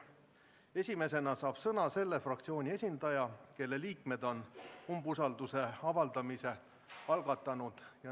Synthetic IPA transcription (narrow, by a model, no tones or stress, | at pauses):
e̞sʲime̞se̞nɑsɑːb̥sɤnɑse̞lːe̞frɑk̚t̪sio̞ːnʲie̞sʲind̪̥ɑjɑke̞lːe̞liːkme̞d̪̥o̞numbusɑld̪use̞ɑvɑld̪̥ɑmise̞ | ɑlɡ̥ɑt̪ːˑɑnud̪̥jɑ